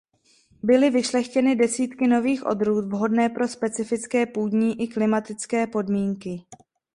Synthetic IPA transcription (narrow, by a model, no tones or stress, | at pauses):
bɪlɪvɪʃlɛxcɛnɪdɛsiːt̪kɪno̞viːxʔo̞̰d̪ɾuːt̪vɦo̞dnɛːpɾo̞spɛt͡sɪfɪt͡skɛːpuːdɲiːʔɪklɪmat̪ɪt͡skɛːpo̞dmiːŋkɪ